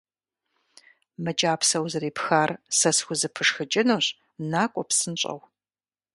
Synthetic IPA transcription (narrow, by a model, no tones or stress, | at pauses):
mɨt͡ʃʼaːpsɐwzɨriːpxaːrsɐsxʷʊzɨpʰɨʂxɨd͡ʒʼɪnuːɕ | naːkʷʼɔpsɨnɕʼɐ̰w